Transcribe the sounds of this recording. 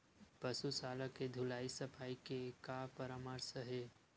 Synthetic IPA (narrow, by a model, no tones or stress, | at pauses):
pəsusaːlaked̪ʱʊlaːisɐfʰaːikekaːpəɾaməɾsəɦeː